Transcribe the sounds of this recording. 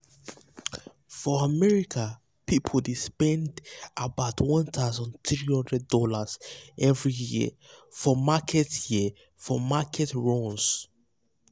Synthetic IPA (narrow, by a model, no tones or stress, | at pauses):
fɔamɛɹikʰa | pipʰoldespɛ̃ndʔabaʊtʰwɔ̃nt̪ʰazɔ̃nθɹihɔ̃ndɹɛd̚ːɔlaz̥ʔɛvɹijḭ | fɔmakʰɛtji | fɔmakʰɛtɹɔ̃ns